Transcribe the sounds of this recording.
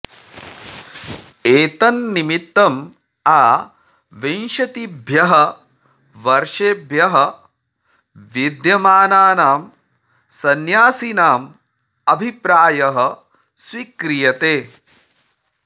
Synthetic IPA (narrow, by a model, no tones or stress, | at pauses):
eːt̪ɐnːimit̪ːɐm | aː | ʋenʃɐt̪ibʱjɐɦɐ | ʋɐɾʂeːbʱjɐɦɐ | ʋid̪jɐmaːnaːnaːm | sɐnjaːsinaːm | ɐbʱipɾaːjɐɦɐ̆ | swikɾijɐt̪eː